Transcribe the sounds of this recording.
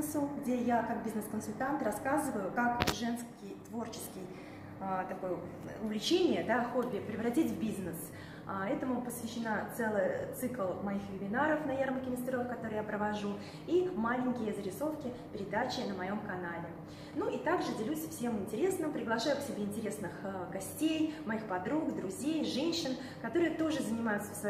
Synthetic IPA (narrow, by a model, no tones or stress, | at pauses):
sʊɡdʲejakak̚bʲiznɨskənsʊlʲt̪ant̪rɐskazɨvəjʊkakʐɛnskʲɪjt̪vo̞rt͡ɕɪ̥skʲɪj | ət̪ɐko̞jə | ʊvʲlʲɪt͡ɕenʲɪjəd̪axobʲɪpɾʲɪvɾɐtʲitʲvbʲiznɨs | ɛt̪əmʊpəsvʲɪɕːɪnat̪sɛlˠɨjət̪sɨklˠmɐjixvʲɪmʲɪnaɾəfnɐjarməkʲɪnəsʲt̪ʲɾʲofkɐt̪o̞ɾɨjapɾəvɐʐu | imalʲɪŋʲkʲɪjəzəɾʲɪso̞fkʲɪpʲɪɾʲɪd̪at͡ɕɪnəmɐjo̞mkɐnalʲɪ | nuʔit̪aɡʐɨdʲɪlʲusʲfsʲe̞mɪnʲtʲɪɾʲe̞snɨmpɾʲɪɡlˠɐʂajʊksʲɪbʲeɪnʲtʲɪɾʲe̞snɨxɡɐsʲtʲejmɐixpɐd̪ɾukd̪ɾʊzʲejʐɛnʲɕːɪn | kɐt̪o̞ɾɨjət̪oʐɨzənʲɪmajʊt̪sə̥s